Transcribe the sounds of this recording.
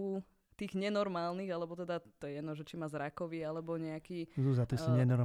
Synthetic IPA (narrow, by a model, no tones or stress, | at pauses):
u | t̪iːɣɲɛnɔɾmaːlniɣalɛbɔt̪ɛd̪at̪ɔjɛjɛd̪nɔʒɛt͡ʃimaːzɾakɔʋiːalɛbɔɲɛakiːzuzat̪isuɲɛnɔɾ